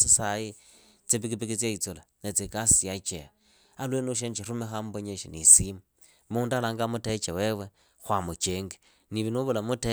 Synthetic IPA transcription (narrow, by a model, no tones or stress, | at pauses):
sisaji | t͡sipikipikit͡sjait͡solanet͡sekasijat͡ʃḛa | alwenuʃ̬ent͡ʃirumexamboɲeʃḭnḭsimu | muːndalaːŋɡamuteit͡ʃawewe | xwamut͡ʃeːŋɡe̥ | niβinuβulamute